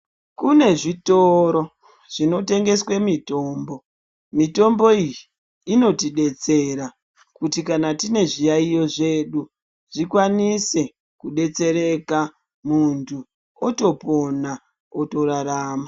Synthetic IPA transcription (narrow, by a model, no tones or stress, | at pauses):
kune̞ʐitoɾo̞ | ʐ̥ino̞te̞ŋɡe̞swe̞mito̞ːmbo̞ | mito̞mbo̞ijiː | no̞tiɗe̞t͡se̞ɾa | kutikanatine̞ʐijaijo̞ʐe̞ːɗu | ʐ̥ikwanise̞ | kuɗe̞t͡se̞ɾe̞ka | muntʰu | oto̞po̞na | otoɾaɾaːma